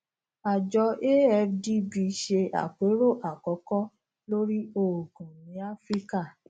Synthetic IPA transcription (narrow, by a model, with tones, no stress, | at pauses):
a˨d͡ʒɔ˧e˦ɛ˧fdi˦bi˧ʃe˧a̰˨k͡pe˨˦ɾo˦˨ʔa˨kɔ˨˦kɔ˦ | lo˦ɾi˦o˨ɡũ˨nĩ˨˦a˦fɾi˦ka˦˨